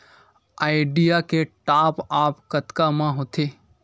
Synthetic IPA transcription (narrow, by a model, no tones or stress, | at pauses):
aːɪɖijakeʈaːpaːpkɐt̪kamãɦoːt̪ʰeː